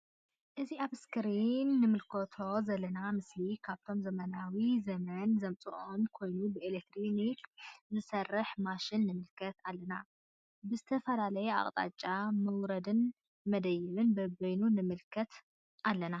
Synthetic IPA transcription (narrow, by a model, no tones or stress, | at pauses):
ʔɨziaβɨskʰɨɾinːɨmɨlkʰot̪ʰo̞zɐlːɐnamɨslikʰaβt̪ʰo̞mzɐmɐnawizɐmɐnzɐmt͡sʼɨʔonkʰo̞jnubɨelek̚t̪ɾonikzɨsɐrɨħmaʃɪnːɨmɨlkʰɐt̪alːɐna | bɨzɨt̪ʰɐfɐlalɐjɛa̰χʼt̪ʼa̰t͡ʃʼːamɐwɾɐd̪ɨn | mɐd̪ɐjɪβɨnbɐbɐjnunɨmɨlkʰɐt̪ | ʔalːɐna